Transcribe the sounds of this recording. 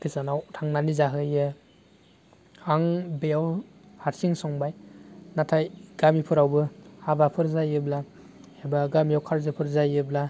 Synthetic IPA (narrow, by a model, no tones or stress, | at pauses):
kʰisanawtʰaŋnanizaɦɯjɯ | aŋbejawhaɾsiŋsɔŋbajnatʰajɡamipʰɯɾawbɯhabapʰɯɾzajɯbla | ebaɡamijawkʰaɾzɯpʰɯɾzajɯbla